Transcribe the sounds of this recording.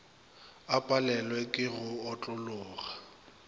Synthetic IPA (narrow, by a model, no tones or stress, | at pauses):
apʼalɛlwɛkʼɪɣʊɔt͡ɬʼʊlʊːɣa